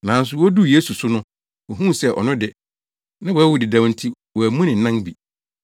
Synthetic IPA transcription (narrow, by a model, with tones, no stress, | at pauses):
nã˨n̩˦s̬ʊ˨wɔ˦du˦je˦su˨sʊ˦nʊ̃˦ | wɔ˨ɦũ˦˨sɛ˦˨ʔɔ̰˨nʊ̃˦dɪ˨ | nã˦wɔ˨˦wʊ˨dɪ˨dã˨wn̩˨tʰi˦ | wɔ˨æ˨mũ˦nɪ̃˨n̩˨nã˦nbi˨